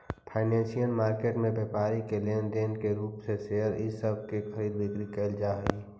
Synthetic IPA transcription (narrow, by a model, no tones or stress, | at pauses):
pʰaːɪnẽːnsijənmaːɾkeːʈmẽbeːpaːɾikelẽːnɖeːnkeɾuːpseseɦəɾɪsəb̚ʱkexʰəɾiːd̪bɪkɾikəɪld͡ʒaːɦiː